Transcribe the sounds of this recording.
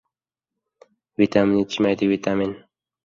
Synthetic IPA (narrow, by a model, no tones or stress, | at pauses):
wit̪aminit͡ʃʰimajd̪iwit̪amin